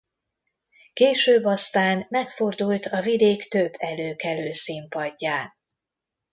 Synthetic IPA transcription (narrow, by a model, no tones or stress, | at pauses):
keːʃøːbːɒst̪aːnmɛkfo̞rd̪ult̪ɒvid̪eːkt̪øbːɛløːkɛløːsimpɒɟːaː